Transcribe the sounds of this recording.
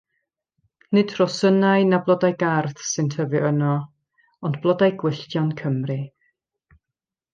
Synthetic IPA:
nɨd̥ʰrɔsənaɨnablˠɔdajɡarθsɨntʰəvɨʔənɔ | ɔndblˠɔdajɡwɪɬtjɔnkʰəmrɨ

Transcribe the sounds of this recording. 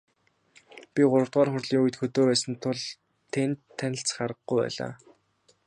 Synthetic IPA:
pʲiɢʊɾə̆wt̪ʁɔːrχʊrɮiːŋujɘ̆t̪xɵt̪oːpæːsɘ̆nt̪ʰʊɮ | t̪ʰent̪ʰːænʲɪ̆ɬt͡sχaɾə̆χɡujpæ̰ːɮa̰ː

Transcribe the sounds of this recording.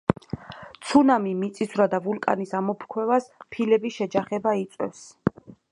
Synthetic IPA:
t̪sʰunamimit̪sʼisvɾad̪avulkʼa̰nisamɔpʰɾkʰwɛvaspʰilɛbiʃɛd͡ʒaχɛbait̪sʼwɛ̰fs

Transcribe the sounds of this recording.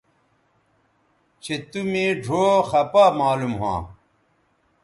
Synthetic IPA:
t͡ɕʰet̪umẽːɖʱoːxɐpaːmaːlumɦã̰ː

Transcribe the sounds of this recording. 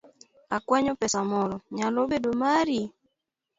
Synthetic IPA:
akwaɲɔpɛsamɔlɔɲalobedomaɾi

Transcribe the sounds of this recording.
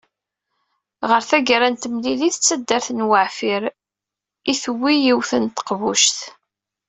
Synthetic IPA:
ʁəɾθæɡɾænt̪mliliθət͡sːæd̪ːəɾθnwəʕfiɾ | iθwijiwθənt̪ə̥qvuʃθ

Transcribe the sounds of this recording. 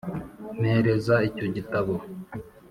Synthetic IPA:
nheɾe̞zaico̞ɟitaβo

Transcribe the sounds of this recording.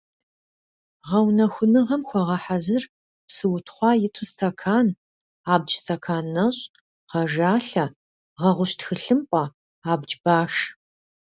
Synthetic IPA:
ʁɐwnɐxʷʊnɨʁɐmxʷɔʁɐħazɨr | psɨwʊtʰχʷɑːjɪtʰustʰɐkʰaːn | aːb̚t͡ʃʼstʰɐkʰaːnːɐɕʼ | ʁɐʒaːɬɐ | ʁɐʁʷʊɕtxɨɬɨmpʷʼɑ | aːbd͡ʒʼbaːʂ

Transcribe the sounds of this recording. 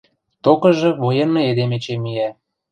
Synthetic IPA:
t̪okɤ̆ʒɤ̆βojeneed̪emet͡ɕemijæ

